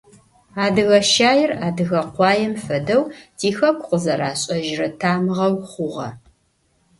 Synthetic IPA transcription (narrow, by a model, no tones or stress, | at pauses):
aːdɨɣɐʃaːjɪraːdɨɣɐqʷɑːjɛmfɐdɐwtʰiːxɐkʷʰʼʊqəzɐɾaːɕʼɐʒrɐtʰaːmʁɐwχʷʊʁɐ̰